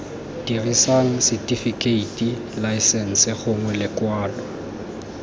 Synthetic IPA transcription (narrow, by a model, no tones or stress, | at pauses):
d̥irisaŋ̩sɪtʼifikʼeitʼi | laɪsɛn̩sɪχʊŋwɛlɪkwaːlɔ